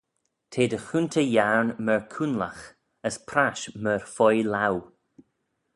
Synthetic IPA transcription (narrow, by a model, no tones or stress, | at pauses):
t̪ʰeːd̪əxuntʰəjaɹnməɹkʰunla̰x | əspʰɾaʃməɹfɔjlaw